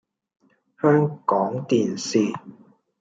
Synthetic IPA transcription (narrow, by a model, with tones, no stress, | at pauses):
hœː˥ŋkɔː˨˥ŋt̪iː˨nsiː˨